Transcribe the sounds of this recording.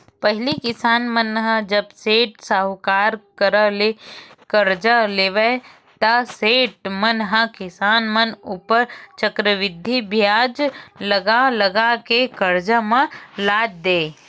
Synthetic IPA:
pɐɦɪlikɪsaːnmənɦəd͡ʒəbseːʈsəɦkaːɾkəɾəlekəɾd͡ʒəleːʋe | t̪ɐseːʈ̚mənɦəkɪsaːnmənupəɾt͡ʃəkɾəʋɪd̪ʱːibʱjaːd͡ʒlɐɡaləɡakekəɾd͡ʒəmãlaːd͡ʒd̪eː

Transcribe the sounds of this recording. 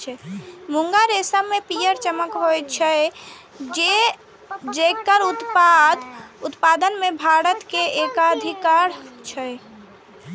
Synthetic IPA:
t͡ʃʰɛmuŋɡaɾesəmepijəɾt͡ʃəməkɦojt͡ʃʰə | d͡ʒe | d͡ʒekəɾut̪pad̪ut̪pad̪ənmebʱaɾət̪keekaəd̪ʱikaɾt͡ʃʰə

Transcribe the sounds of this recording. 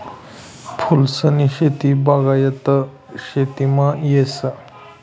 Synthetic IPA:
pʰulsəniɕet̪ibaɡajət̪ə | ɕet̪imajesə

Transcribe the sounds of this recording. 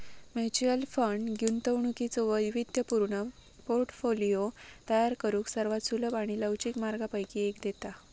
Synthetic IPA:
met͡ɕiəlfəɳɖɡʱunt̪əwɳukit͡sɔʋəjʋid̪jəpuɾɳə | poɾʈfolijot̪əjaɾkəɾuːksəɾʋat̪suləbaɽ̃iləwt͡ɕiːkmaɾɡapəjkiekd̪et̪a

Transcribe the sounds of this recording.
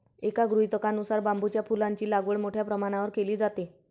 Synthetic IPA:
ekaɡɾujt̪əkanusaɾbambut͡ɕjafulaɲt͡ɕiːlaɡʋəɭmoʈʰjapɾəmaɽ̃aʋəɾkeliːd͡zat̪e

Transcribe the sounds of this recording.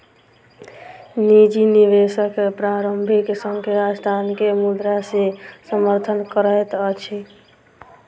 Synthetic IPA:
nid͡ʒiniʋesəkpɾaɾəmbʱiksəŋkeɾad͡ʒd̪ʱankemud̪ɾasesəməɾt̪ʰənkəɾət̪ət͡ʃʰi

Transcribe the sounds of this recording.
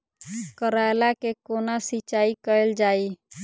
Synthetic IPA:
kəɾajlakekonasit͡ʃaikəəld͡ʒaːi

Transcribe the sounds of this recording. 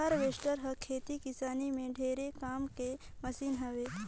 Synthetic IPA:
əɾʋeːsʈəɾɦəkʰeːt̪ikisaːnimẽɖʱeːɾekaːmkeməsiːnɦəʋe

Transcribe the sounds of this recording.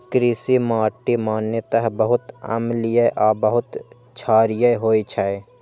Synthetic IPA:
kɾisimaːʈːimaːnjət̪əɦbəɦʊt̪ɐ̰mlijəʔaːbəɦʊt̪ | t͡ʃʰaːɾɪjəɦoːit͡ʃʰae

